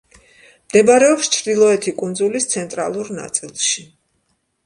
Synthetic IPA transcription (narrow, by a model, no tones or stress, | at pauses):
md̪ɛbaɾɛɔpst͡ʃʰɾd̪ilˠɔɛt̪ʰikʼund̪zulist̪sʰɛnt̪ʼɾa̰lˠuɾna̰t̪sʼilˠʃi